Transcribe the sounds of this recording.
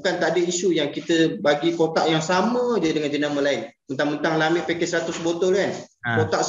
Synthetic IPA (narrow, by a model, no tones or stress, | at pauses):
bukant̪aʔadəiʃujaŋkit̪əbaɡikot̪aʔjaŋsamə̃d͡ʒədəŋand͡ʒənaməlaɪnmənt̪aŋmənt̪aŋlamɪʔpekɛsɾat̪ʊsbot̪ɔlkankot̪aʔ